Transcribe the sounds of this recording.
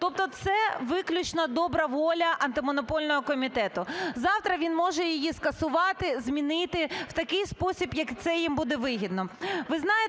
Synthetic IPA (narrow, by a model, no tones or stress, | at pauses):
t̪ɔp̚t̪ɔt̪sɛʋɪklʲʊt͡ʃnɐd̪ɔbɾɐʋɔlʲɐʔɐnt̪ɪmɔnɔpɔlʲnɔɦɔkɔmʲit̪ɛt̪ʊzɑwt̪ɾɐʋʲinmɔʒɛjɪjiskɐsʊʋɑt̪ɪzmʲinɪt̪ɪw̥t̪ɐkɪjspɔsʲibjɐkt̪sɛjimbud̪ɛʋɪɦʲid̪̚nɔʋɪznɑje